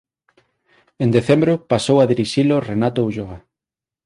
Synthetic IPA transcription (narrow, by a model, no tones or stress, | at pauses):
end̪eθembɾopasowaðiɾiʃilorenat̪ouʒoa